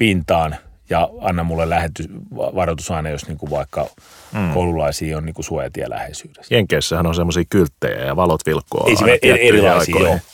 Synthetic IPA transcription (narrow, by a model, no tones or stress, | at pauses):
pint̪ɑːnjɑɑnːɑmulːelæhet̪ːyʋɑrot̪usɑinɑjosniːŋkuʋʋɑikːɑkoululɑisiːonniːŋkusuojɑ̰t̪iɑ̰lʔæ̰hesyːd̥e̥sjeŋkeisːæhænonsemːosiːkylt̪ːḛjæ̰jɑʋɑlot̪ʋilkːo̰eisḭeʔeeilɑisiːoː